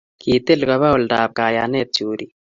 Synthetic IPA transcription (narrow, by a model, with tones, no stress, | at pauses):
ki˨t̪e˦lɡa˨βa˦u˨ldaː˨b̚ka˨ja˨ne˦t͡suː˨ɾi